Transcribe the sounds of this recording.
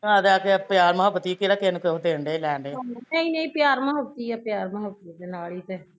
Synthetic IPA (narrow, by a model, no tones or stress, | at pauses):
ãːd̪aːkepjaːɾməɦəbːət̪iːkiɾakenked̪eːɳɖeːlɛːɳɖeːnəĩːnəĩːpjaːɾməɦəbt̪iːɛːpjaːɾməɦəbt̪id̪eːnaːliːt̪ɛː